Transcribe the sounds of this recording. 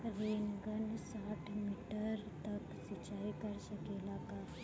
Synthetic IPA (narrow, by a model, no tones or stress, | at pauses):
ɾeːnɡənsaːʈʰmiːʈəɾt̪ɐksət͡ʃaːikɐɾsəkelaːka